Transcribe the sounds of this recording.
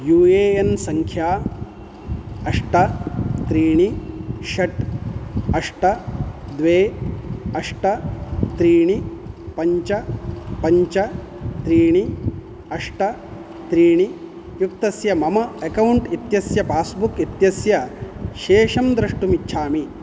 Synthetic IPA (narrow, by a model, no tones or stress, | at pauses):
juːeːjɐnsɐŋkʰjaː | ɐʂʈɐt̪ɾiːɳiʃɐʈ | ɐʂʈɐd̪ʋeː | ɐʂʈɐt̪ɾiːɳipɐɲt͡ʃɐpɐɲt͡ʃɐ | t̪ɾiːɳi | ɐʂʈɐ | t̪ɾiːɳi | juk̚t̪ɐsjɐmɐmɐekɐwuɳʈit̪jɐsjɐpaːsbukit̪jɐsjɐʃeːʂɐmd̪ɾɐʂʈumitːʃʰaːmi